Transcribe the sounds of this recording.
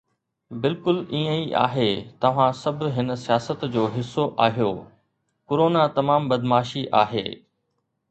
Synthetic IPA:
bɪlkʊliːə̃iʔa̰ːɦeːt̪ɐʋ̤ãsɐbʱɦɪnəsijaːsət̪d͡ʑoːɦɪsːoʔaːɦijoː | kʊɾoːnat̪ɐmaːmbɐd̪maːʃiʔa̰ːɦḛː

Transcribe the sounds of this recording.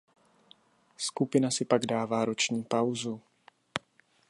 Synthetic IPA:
skupɪnasɪpaɡdaːvaːɾo̞t͡ʃɲiːpawzu

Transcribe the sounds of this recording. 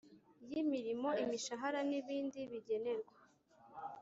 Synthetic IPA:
jimiɾimo̞imiʃaɦaɾaniβiːndiβiɟe̞ne̞ɾɡwa

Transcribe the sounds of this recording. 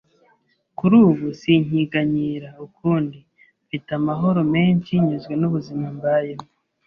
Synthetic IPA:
kuɾuːβusiɲ̥iɡaɲiːɾaukʰuːndi | fitamaɦo̞ɾo̞me̞ːnt͡ʃiɲuzɡwe̞nuβuzimambajem

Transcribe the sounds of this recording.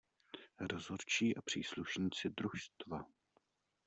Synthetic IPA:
ɾozoɾt͡ʃiːʔapr̝̥iːsluʃɲiːt͡sɪd̪ɾuʃst̪va

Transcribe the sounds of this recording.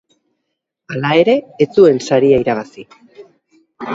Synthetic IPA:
alae̞ɾe̞ːt͡sue̞nsaɾiaiɾaβ̞asi

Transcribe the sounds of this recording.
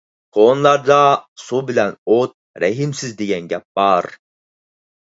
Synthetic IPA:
kʰonlˠɑɾd̪ɑsubilænot̪̚ | ɾɛɦimsizd̪ejɛnɟɛp̚bɑɾ

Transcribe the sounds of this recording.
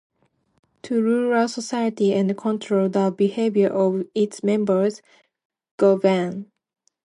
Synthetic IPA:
tʰuɹuɹəlsəsaɪətiɛ̃nkʰɔ̃ntʰɹoldəbiheɪvjə˞ʔɔvɪtsmɛ̃mbə˞z | ɡ̥ovæ̃n

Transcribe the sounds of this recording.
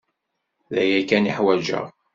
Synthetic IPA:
ðæjækæniħwæd͡ʒə̰ʁ

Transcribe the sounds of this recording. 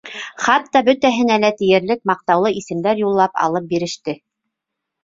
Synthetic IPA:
χɑt̪ːɑbɵt̪æɦɘ̆nælæt̪ĭjɘ̆ɾlɘk̚mɑq̚t̪ɑwlˠɤʔisɘ̆md̪æɾjulˠːɑpɑ̰lˠɤp̚biɾɘ̆ʃt̪ɘ

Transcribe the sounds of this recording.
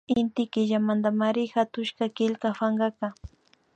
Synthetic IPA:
ɪnt̪ɪkɪʒamand̪amaɾɪxat̪ʊʃkakɪlkafaŋɢɑka

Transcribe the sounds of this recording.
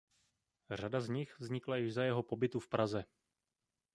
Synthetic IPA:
r̝adazɲɪxvzɲɪklajɪʒzajɛɦo̞po̞bɪt̪ufpɾazɛ

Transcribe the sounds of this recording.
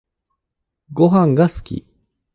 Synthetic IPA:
ɡo̞ɦãŋɡasɨ̥kʲḭ

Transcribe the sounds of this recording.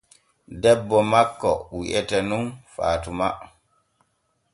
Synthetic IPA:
dɛbːɔmakːɔ̰wiʔɛtɛnunfa̰ːtuma

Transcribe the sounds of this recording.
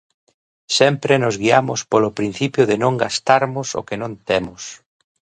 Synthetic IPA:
sɛmpɾenʊzɣiamʊspolopɾin̟θipjʊðɪnõŋɡast̪aɾmʊso̰kenõnt̪emʊs

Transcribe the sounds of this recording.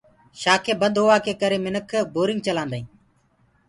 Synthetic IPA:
ʃaːkʰeːbəd̪ʱɦoːʋaːkʰeːkəɾeːmɪnəkʰboːɾɪŋɡ̚t͡ʃəlãːnd̪aːĩː

